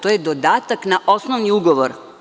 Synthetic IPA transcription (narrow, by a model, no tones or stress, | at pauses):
t̪ojed̪od̪aːt̪aknaʔo̞snoʋniuɡoʋoɾ